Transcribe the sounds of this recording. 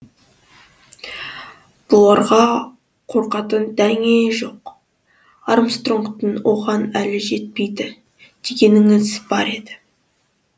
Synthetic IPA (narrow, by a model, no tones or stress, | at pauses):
b̥ʊlˠɑɾʁɑ | qʰo̞ɾqɑt̪ənd̪æŋeʒo̞q | ɑɾmst̪roŋkt̪ənwo̞ʁɑnælɪʒe̞t̪̚pe̞jd̪ɪ | d̪̥e̞ɡʲe̞nɪŋɪzb̥ɑɾe̞d̪ɪ̥